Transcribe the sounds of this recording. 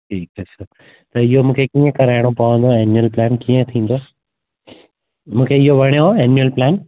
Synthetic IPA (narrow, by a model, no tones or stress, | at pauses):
ʈʰiːkesəɾ | t̪ɐɪɦomũːkʰekiːə̃kɐɾaːɪɽ̃opɐʋə̃nd̪oɛnjuəlplɛːnkiːə̃t̪ʰĩːnd̪oː | mũːkʰeɪɦoʋʱɐɽ̃joɦoɛnjuəlplɛːn